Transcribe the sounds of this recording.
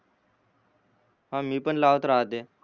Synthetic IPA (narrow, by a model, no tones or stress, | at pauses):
ɦãːmiːpəɳlaʋət̪ɾaɦət̪eː